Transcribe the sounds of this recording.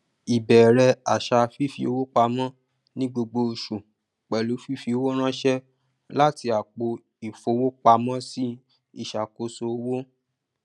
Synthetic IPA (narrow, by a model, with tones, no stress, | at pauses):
i˨bɛ˨ɾɛ˧a˨ʃa˧fi˦fi˧o̰˧˦wo˦k͡pa˧mɔ̃˦ | nĩ˦ɡ͡bo˧ɡ͡bo˧ʃu˨ | k͡pɛ˨lu˨˦fi˦˨fi˧o˧˦wo˦ɾ̃ã˦ʃɛ˦ | la˦ti˧a˨k͡po˧ | i˨fo˨˧˦wo˦k͡pa˧mɔ̃˦si˦ | i˦˨ʃa˨ko˧so˧o˦wo˦